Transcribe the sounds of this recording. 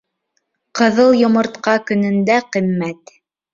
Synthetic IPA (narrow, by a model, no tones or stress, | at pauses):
qɤ̆ðɤlˠjŏmɤ̆ɾt̪qɑkɵ̆nɵ̆nd̪æqimːæt̪